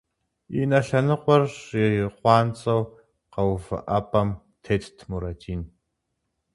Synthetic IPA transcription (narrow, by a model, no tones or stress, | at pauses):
inɐɬɐnɨqʷʼɔrʂɪiqʷɑːnt͡sʼɐw | qɐwfɨ̰ʔɐpʰʼɐm | tʰeːtʰtʰmuɾɐtʰiːn